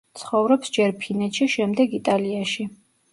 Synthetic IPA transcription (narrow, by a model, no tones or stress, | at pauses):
t̪sʰχɔvɾɔpsd͡ʒɛɾpʰinɛt̪ʃiʃɛmd̪ɛɡit̪ʼaliaʃi